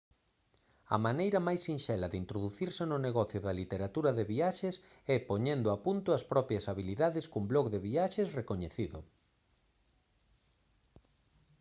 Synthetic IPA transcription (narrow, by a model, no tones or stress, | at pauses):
ɐ̰manejɾɐmajsːinʃɛlɐðint̪ɾoðuθiɾsenʊneɣɔθjoðɐlit̪eɾat̪uɾɐðeβiaʃes | ɛpoɲend̪ʊapunt̪ʊɐspɾɔpɾjɐsaβiliðaðɪskumblɔkðeβiaʃesrekoɲeθiðʊ̰